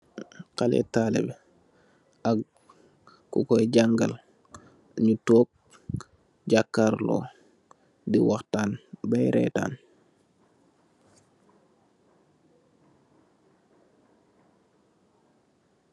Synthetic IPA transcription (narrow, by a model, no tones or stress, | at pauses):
kalɛ̰tːaːlɛ̰bɛ | ʔaɡ | kukɔjɟaŋɡal | ɲutoːk̚ | ɟakːaɾlɔ̰ː | diwaxtaːnbajɾʔɛ̰ːta̰ːn